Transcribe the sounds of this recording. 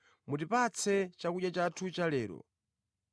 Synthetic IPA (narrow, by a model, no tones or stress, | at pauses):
mutipat͡sʰɛt͡ʃakuɗjat͡ʃatʰut͡ʃalɛːɾɔ̰